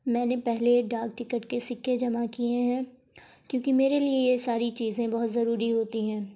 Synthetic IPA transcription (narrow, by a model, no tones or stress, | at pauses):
mɛ̃ːnepɛɦleɖaːk̚ʈɪkəʈkesɪkːed͡ʒɐmakieɦɛ̃ː | kjõːkimeːɾeliejesaːɾit͡ʃiːzẽbɐɦʊt̪zɐɾuːɾiɦoːt̪iɦɛ̃ː